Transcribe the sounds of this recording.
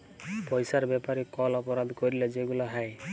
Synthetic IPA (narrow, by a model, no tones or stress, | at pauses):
pɔjsaɾbɛpaɾikɔlɔpɔɾad̪ʱkoɾiled͡ʒeɡulaɦaj